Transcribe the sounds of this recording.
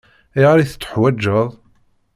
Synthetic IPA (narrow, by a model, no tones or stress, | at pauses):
iʁaɾiθə̥t͡sːə̥ħwæd͡ʒːəðˤ